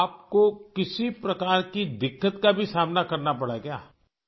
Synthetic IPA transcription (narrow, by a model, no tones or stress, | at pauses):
aːp̚kokɪsipɾɐkaːɾkid̪ɪkːət̪kabʱisaːmnakɐɾnapɐɽaɛkjaː